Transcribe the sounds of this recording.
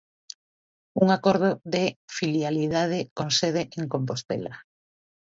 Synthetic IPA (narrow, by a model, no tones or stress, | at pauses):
uŋakoɾð̞oðefiljaliðað̞ɪkonseð̞eʔeŋkomp̬ost̪ḛla